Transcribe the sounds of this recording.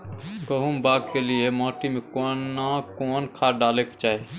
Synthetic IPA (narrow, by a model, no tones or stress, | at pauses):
ɡoɦumbaːɡkelɪemɔːʈimẽkoːnːakoːnkʰaːɖaːleːkt͡ʃaːe